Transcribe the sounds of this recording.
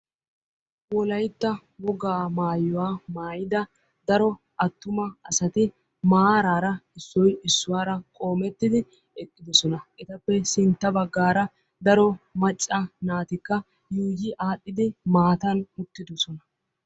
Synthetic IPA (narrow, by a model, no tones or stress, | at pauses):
wɔlɐjt̪ːɐ | wɔɡaːmaːjːɔwaːmaːjɪd̪ɐ | d̪ɐɾɔ | ʔɐt̪ːʊmɐɐsɐt̪ɪ | maɾaːɾɐɪsːɔjɪsːʊwaːɾɐkʼo̞ːmɛt̪ːɪd̪ɪ | ɛkʼːɪd̪ɔsɔnɐʔɛt̪ɐpːɛsɪnt̪ːɐbɐɡːaːɾɐ | d̪ɐɾɔmɐt͡ʃʼːɐnaːt̪ɪkːɐ | juːd͡ʒɪʔaːɗːɪd̪ɪmaːt̪ɐnmʊt̪ːɪd̪ɔsɔnɐ